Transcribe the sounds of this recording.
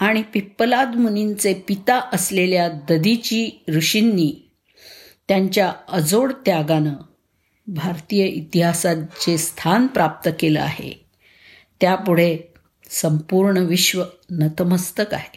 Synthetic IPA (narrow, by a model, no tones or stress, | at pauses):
aɽ̃ipipːəlad̪munint͡sepit̪aʔəsleljad̪əd̪it͡ɕiːɾuɕinːiː | t̪jaɲt͡ɕjaəd͡zoɽt̪jaɡanə | bʱaɾt̪ijəʔit̪iɦasat͡sest̪ʰanpɾap̚t̪əkeləa̰ɦḛ | t̪japuɽ̤e | səmpuɾɳəʋiɕʋənət̪əməst̪əka̰ɦe